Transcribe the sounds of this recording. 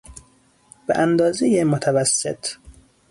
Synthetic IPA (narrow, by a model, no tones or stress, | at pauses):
b̥ḛʔænd̪ɒːzejemot̪ʰævæsːet̪ʰ